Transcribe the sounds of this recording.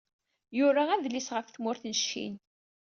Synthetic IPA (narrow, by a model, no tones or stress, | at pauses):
jʊɾaæðlisʁəfθmʊɾθnəʃːḭn